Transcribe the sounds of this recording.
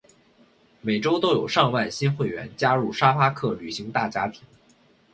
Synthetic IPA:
me˨˩ɪʈ͡ʂo˥ʊt̪o˥ʊjo˨˩ʊʂɑ˥˧ŋwa˥˩ɪɕi˥nxwe˥˩ɪɥɛ̰˧˥nt͡ɕja˥ɻu˥˩ʂa˥fa˥kʰɤ˥˩ly˨˩ɕi˧˥ŋt̪a˥˩t͡ɕja˥t̪ʰi˨˩˥n

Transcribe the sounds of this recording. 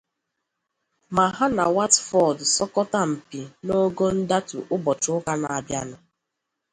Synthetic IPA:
ma˨ɦa˦na˨wa˦tfɔ˨dsɔ˦kɔ˦ta˦m̩˨pi˨no˦ɡo˦n̩˦da˦tu˨ʔʊ˦bɔ˨t͡ʃʊ˦ʊ˦ka˦na˨a˨bja̰˦nʊ˨

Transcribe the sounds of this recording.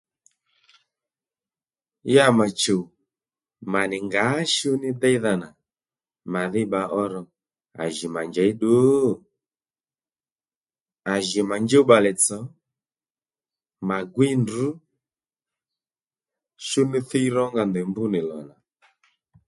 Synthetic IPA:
ja˦˨ma˨t͡ʃo˨ | ma˨nɪ˨ŋɡa˨˦ʃu˦nɪ˦d̪ɛ˦i˦ða˧na˨ | ma˨ðɪ˦ɓa˨ʔɔ˦ɾɔ˧ | a̰˨ʒi˨ma˨ɲd͡ʒɛ˨i˦ɗo˨˦ | a˨ʒi˨ma˨ɲd͡ʒo˦ɓa˨lɛ˨t͡sɔ˨˦ | ma˨ɡwi˦ndu˨˦ | ʃu˦nɪ˦θi˦ɾɔ˦ŋɡa˧˨nd̪ɛ˨mbu˦nɪ˨lɔ̰˨na˨

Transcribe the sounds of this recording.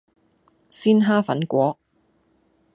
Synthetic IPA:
siː˥nɦaː˥fɐ˨˥nkʷɔː˨˥

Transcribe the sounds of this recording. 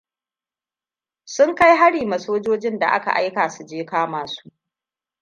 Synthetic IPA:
sʊ˦ŋka˦jɦa˦ɽiː˨mɐ˨soː˦d͡ʒoː˦d͡ʒɪ˦nda̰˨ʔa̰˦ka̰˨ʔa̰˦jkaː˨su˨d͡ʒeː˦kaː˦maː˨su̥ː˦ʔ

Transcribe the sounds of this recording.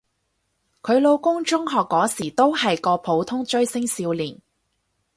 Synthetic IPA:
kʰɵ˨˧ɥlo˨˧wkʊ˥ŋt͡ʃʊ˥ŋɦɔː˨kːɔː˨˥siː˨˩t̪o˥whɐ˨jkɔː˧pʰo˨˥wt̪ʰʊ˥ŋt͡ʃɵ˥ɥsɪ˥ŋsiː˧wliː˨˩n

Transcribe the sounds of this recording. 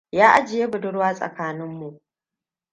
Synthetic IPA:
jaː˦ʔa˦d͡ʒɪ˨je˦bʊ˨dʊ˦ɽwaː˦sʼɐ̰˨kaː˦nɪ˦mːu˨ʔ

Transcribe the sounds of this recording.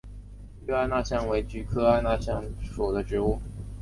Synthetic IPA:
y˥a˥˧na˥˧ɕjɑ˥˩ŋwe˧˥ɪt͡ɕy˧˥kʰɤ˥a˥˧na˥˧ɕjɑ˥˩ŋʂu˨˩d̪ə˦ʈ͡ʂɻ̩˧˥u˥˩

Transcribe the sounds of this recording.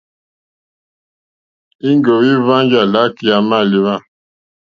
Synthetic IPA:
i˦ŋɡo˨wi˦va˦nd͡ʒa˨la˦ki˦a˨ma˦˨li˨wa˦˨

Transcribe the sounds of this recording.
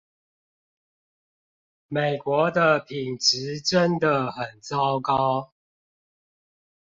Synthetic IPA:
me˨˩ɪkwɔ˨˧˦d̪ə˨pʰi˨˩nʈ͡ʂɻ̩˨˦ʈ͡ʂə˦nd̪ə˨xə˨˩nt͡sɑ˦ʊkɑ˦ʊ

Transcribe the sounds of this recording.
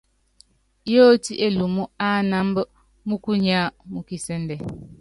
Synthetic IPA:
jo˦ti˦ʔe˦lu˨mu˦a˦na˦m˦bə˦ | mu˦ku˦ɲa˦mu˨ki˨sɛ˦ndɛ˨

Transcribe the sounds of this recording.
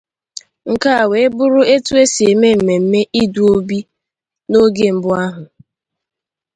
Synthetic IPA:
ŋ̩˨ka˦a˨we˨e˦bʊ˦ɾʊ˦e˦tu˦e˦si˨e˨me˦m̩˨me˨m̩˦me˦ʔi˦du˦o˦bi˦ | no˦ɡe˦m̩˦bʊ˦a˦ɦʊ˨

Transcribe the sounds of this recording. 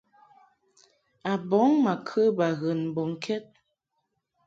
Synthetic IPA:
a˨bɔ˨˦ŋma˨kʰə˦ba˨ɣə˨nm̩˨bɔ˨ŋ˨kʰɛ˦t̚

